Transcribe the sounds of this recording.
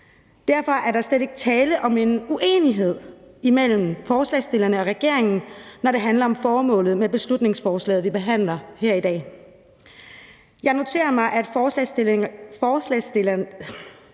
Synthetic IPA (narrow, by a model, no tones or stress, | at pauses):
d̥æɐ̰fɒ̽ʔæɐɾɑ̈seð̥e̝ɡ̥t͡sʰɛːləʔɒ̽me̝nuʔe̝̰ːniɦe̝ð̞̰ˠimel̰m̩fɒːslɛ̰ɪsd̥e̝lɐnəɒ̽ʁɛɡ̥e̝ɐ̰e̝ŋn̩nɒɾ̥e̝ɦænlɐɒ̽mfɒːmɔ̰̽ːlð̞̩ˠmeb̥e̝slud̥ne̝ŋsfɒːslɛ̰ːð̩ˠʋib̥e̝ɦæn̰lɐheɐ̰id̥ɛ̰ː | jɑ̈ɪno̝t͡sʰe̝̰ːɐmɑ̈ɪʔæd̥fː | fɒːslɛs